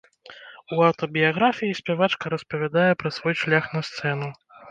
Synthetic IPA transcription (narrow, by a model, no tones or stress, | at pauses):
uɐwt̪ɔbʲijaɣɾafʲijisʲpʲɛvat͡ʂkɐɾɐspɐvʲad̪ajɛpɾɐsvɔjʂlʲaxnɐst̪sɛn̪u